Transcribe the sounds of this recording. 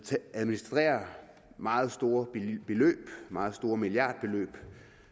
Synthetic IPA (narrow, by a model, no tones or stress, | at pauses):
æðˠminisd̥ʁɛ̰ːɐ | mɑ̈ːð̞̩ˠsd̥o̝ːɐb̥e̝lø̰ːb̥mɑ̈ːð̞̩ˠsd̥o̝ːɐmilijɑ̈ːd̥̚b̥e̝lø̰ːb̥